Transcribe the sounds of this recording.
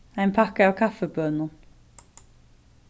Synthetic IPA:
æɪnpʰɑkəɑːwkʰɑfəbœnən

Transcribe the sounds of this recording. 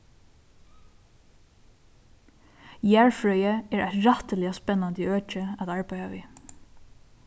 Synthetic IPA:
jæːɹfɹœʏəɛːɹʔæ̰t̪ɹɑt̪əlɪaspɛnːɑnd̪əøːt͡ʃəat̪ɑɹbæɪaʋḭː

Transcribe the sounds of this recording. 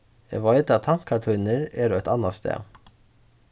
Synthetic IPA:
ḛʋɑɪd̪ɑt̪ʰɑŋkʰɑʈʰʉnəɹeːɾoːɛt̪ɑnɑst̪ḛː

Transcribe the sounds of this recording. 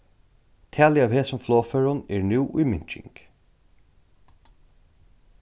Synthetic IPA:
t̪ʰæːlɪaʋheːsʊmfloːfœɹʊnɛɹnuːʔṵjmɪɲt͡ʃɪ̰ŋk

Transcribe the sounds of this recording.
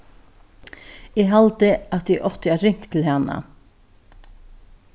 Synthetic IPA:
ɪɡɦalt̪ɪat̪d̪iʔɔht̪ɪaɾɪŋ̥kt̪ʰɪlhanːa̰

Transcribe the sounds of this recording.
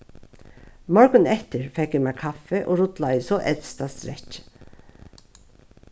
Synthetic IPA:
mɔɹɡənɛt̪əɹfɛkjɪmækʰɑfəʔoːɾʊt̪lɑɪsɔʔɛt̪st̪ɑsɾɛc

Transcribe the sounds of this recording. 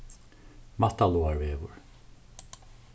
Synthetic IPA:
mat̪aluːaɹveːʋʊɹ

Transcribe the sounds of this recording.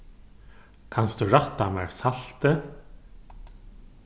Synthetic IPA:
kʰanst̪ʉɾaht̪ːamɛɹsal̥t̪ɪ

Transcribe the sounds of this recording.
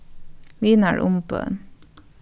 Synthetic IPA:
ʋiːnæɹʔʊmpo̰n

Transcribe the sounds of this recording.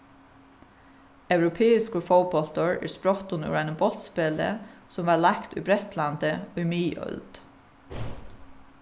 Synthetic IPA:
œʉɾʊpʰeːɪskəfowbɔlt̪əɹæ̰ːɹspɾɔt̪ʊnʉ̰ɾæjnəbɔlt̪speːlə̰sʊmʋɑːlakt̪ʊ̰bɾɛt̪lant̪əʊjmiːœ̰ld̪̥

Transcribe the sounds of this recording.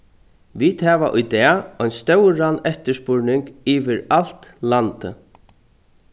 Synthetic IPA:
ʋiːt̪hɛːʋaʔʊjt̪ɛɔjnst̪œwɾanɛht̪əʂspʊɹnɪŋkiːʋɪɾal̥t̪lant̪ə̰

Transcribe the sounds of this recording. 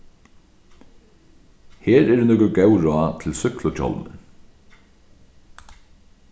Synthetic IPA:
heːɾɛɾnʏːkʊɡɛwɹaːt̪ʰɪlsʏklʊt͡ɕʰɔ̰lmə̰

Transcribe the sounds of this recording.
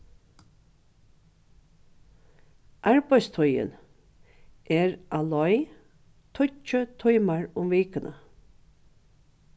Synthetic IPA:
ʔɑɹbæɪst̪ʰʊjə̰n | ʔeːɹʔalɔʏ | t̪ʰʊt͡ʃət̪ʰɔjmaɹʊmʋiːkənə̰

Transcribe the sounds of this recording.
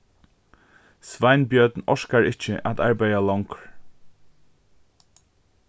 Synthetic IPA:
sʋaɪnbjœt̪nɔʂkaɹɪt͡ʃəʔa̰t̪aɹbajalɔwŋkɹ

